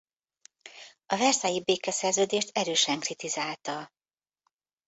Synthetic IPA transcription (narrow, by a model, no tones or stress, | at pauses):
ɒvɛrsɛjibeːkɛsɛrzøːd̪eːʃt̪ɛɾøːʃɛŋkrit̪izaːlt̪ɒ